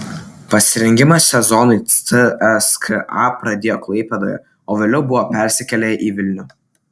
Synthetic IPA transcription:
pɐsʲɪɾʲɛŋʲɡʲɪmɐsʲɛzɔnʊɪɨɛskəʔɑ̰pɾɐd̪ʲeːjoːklˠɐɪpʲɛd̪o̰ːjɛ̰ | oːʋʲeːlʲɛʊbʊʋopʲɛˑɾʲsʲɪkʲɛlʲɛʔiːʋʲɪlʲnʲʊ

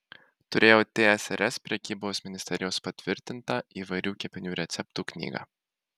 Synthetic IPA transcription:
t̪ʊɾʲeːjoːt̪ʲeːɛsɛɾɛspʲɾʲɛkʲiːboːsmʲɪnʲɪsʲt̪ʲɛɾʲɪjoːspɐt̪ʲʋʲɪɾʲt̪ʲɪnt̪ɑiːʋɐɪɾʲuːkʲɛpʲɪnʲuːɾʲɛt̪sʲɛp̚t̪uːknʲḭːɡɑ̰ː

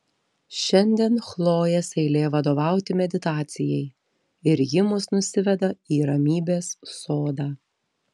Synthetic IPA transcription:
ʃʲɛnʲd̪ʲiɛnxlˠoːjɛsɛɪlʲeːjɛʋɐd̪oːʋɑˑʊt̪ʲɪmʲɛd̪ʲɪt̪ɑːt̪sʲɪjɛɪ | ɪɾjɪmʊsnʊsʲɪʋʲɛd̪ɐiːɾɐmʲiːbʲeːsːoːd̪ɑː

